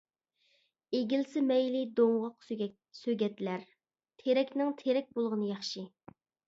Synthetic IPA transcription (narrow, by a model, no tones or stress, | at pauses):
eɡʲilsɪmɛjlɪd̪oŋʁɑq | søɡʲɛt̪læɾ | t̪ʰeɾɛkʲnɪŋt̪ʰeɾɛk̚ʲbolˠʁənɨjɑχʃi